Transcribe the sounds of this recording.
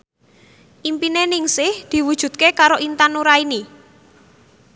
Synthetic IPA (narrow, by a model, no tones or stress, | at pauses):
ʔimpinenɪŋsɪhd̪̥i̤wud̥ʒ̥ṳd̪̥̚kekaɾoʔint̪anuɾaini